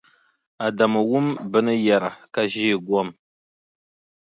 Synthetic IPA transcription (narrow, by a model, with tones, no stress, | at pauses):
a˨da˨mə˨wu˦mbə˦nə˦ja˨ɾa˨ka˦ʒi˦˨ɡwa˦m